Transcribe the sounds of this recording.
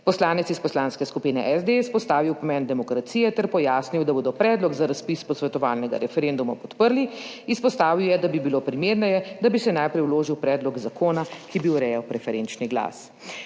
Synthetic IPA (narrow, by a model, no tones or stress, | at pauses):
pɔslaːnɛt̪sispɔslaːnskɛskupinɛʔɛzd̪espɔst̪aːʋiwpɔmɛnd̪ɛmɔkɾat̪siːjɛt̪ɛɾpɔjaːsniwd̪aboːd̪ɔpɾɛːd̪lɔɡzaɾaspispɔsʋɛt̪ɔʋaːlnɛɡa̰ɾɛfɛɾend̪umapɔt̪pəɾli | ispɔst̪aːʋiwjɛd̪abibiloːpɾimeːɾnɛjɛd̪abisɛnajpɾɛjwloːʒiwpɾɛːd̪lɔɡzakoːnakibiuɾɛjawpɾɛfɛɾent͡ʃniɡla̰ːs